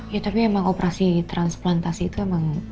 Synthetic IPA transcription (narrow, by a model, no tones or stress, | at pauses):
jat̪apiemaŋopɾʔasit̪ɾansplant̪asiːt̪uemaŋ